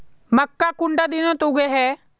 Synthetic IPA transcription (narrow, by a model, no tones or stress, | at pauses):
məkːakʊ̃ɳɖad̪ɪnõt̪ʊɡɛɦɛː